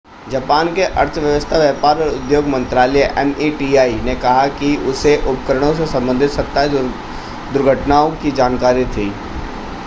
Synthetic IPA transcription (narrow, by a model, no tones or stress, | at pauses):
d͡ʒɐpaːnkeʔɐɾt̪ʰʋjəʋəst̪ʰaʋjɛːpaːɾɔːɾʊd̪joːɡmɐ̃nt̪ɾaːləjʔɛmiʈiaːinekɐɦakiʊseʔʊpkəɾəɽ̃õsesɐ̃mbə̃nd̪ʱɪt̪sɐk̚t̪aɦɛ | d̪ʊɾɡʱəʈnaːõkid͡ʒaːnkaːɾit̪ʰiː